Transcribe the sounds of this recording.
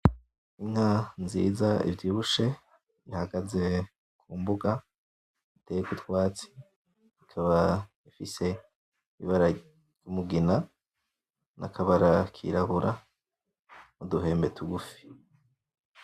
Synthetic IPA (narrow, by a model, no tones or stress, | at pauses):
iŋhanzḭːzaḭvjiːβuʃe̞ | βihaɡaze̞ | kʰuːmbuɡa | itʰejekutwaːt͡si̥ | ikʰaβa | ifise̞ | iβaɾḁ | jumuɡina | nʔa̰kʰaβaɾakʰḭɾaβuɾʔa | muduɦe̞ːmbetuɡufi̥